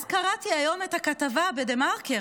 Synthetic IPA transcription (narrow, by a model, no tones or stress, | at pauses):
zkaʁatiajo̞methakatavabedemaʁke